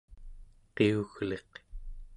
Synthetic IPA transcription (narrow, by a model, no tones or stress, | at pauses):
qeuɣle̞q